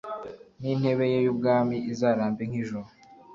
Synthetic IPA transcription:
nin̥he̞βe̞jejubɡaːmiʔizaːɾaːmbeŋ̥hiʒuɾo

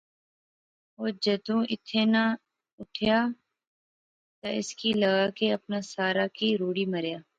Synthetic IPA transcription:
oːd͡ʒəd̪ũːʔɪt̪ʰːena | ʊʈʰjaː | t̪aɪskiləɡaːkeɐpnasaːɾaːkiɾoːɽiːməɾjaː

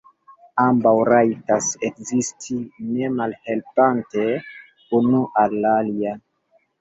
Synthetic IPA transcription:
ambawɾajtasekzistʰine̞malhe̞lpante | unuʔalːalia

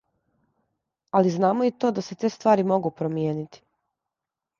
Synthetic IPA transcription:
aliznaːmoit̪o̞ːd̪ase̞t̪e̞ːst̪ʋaːɾimo̞ɡupɾomjeːnit̪i̥

